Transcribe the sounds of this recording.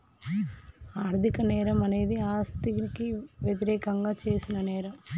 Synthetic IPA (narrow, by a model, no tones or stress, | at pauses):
aːɾd̪ʱikɐnɛːɾɐmɐne̞ːd̪iaːst̪ikiʋjet̪̬iɾɛːkɐŋɡaːt͡ʃe̞ːsinɐnɛːɾɐm